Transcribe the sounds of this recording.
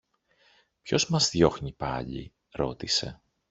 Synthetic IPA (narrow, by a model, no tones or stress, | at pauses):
pço̞zmɐzðjo̞xɲipɐ̰ʎḭ | ɾo̞t̪ise̞